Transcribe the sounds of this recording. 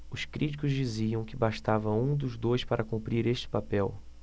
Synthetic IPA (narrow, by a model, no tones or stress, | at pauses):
ʊskɾit͡ʃi̥kʊzd͡ʒiziɐ̃w̃kɪbaʃt̪avɐũd̪ʊzd̪ojspaɾʔɐkũmpɾiɾeʃt͡ʃɪ̥papɛw